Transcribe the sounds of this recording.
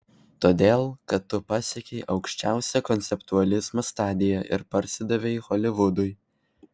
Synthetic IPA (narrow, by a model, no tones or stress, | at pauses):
t̪oːd̪ʲeːlˠkɐt̪ːʊpɑːsʲɛkʲɛɪʔɒʊkʃʲt͡ʃʲæˑʊsʲɛkɔnʲt̪sʲɛpt̪uɐlʲɪzmɐst̪ɑːd̪ʲɪjɛʔɪ̰ɾpɐɾʲsʲɪd̪ɐʋʲɛɪxɔːlʲɪʋʊd̪ʊɪ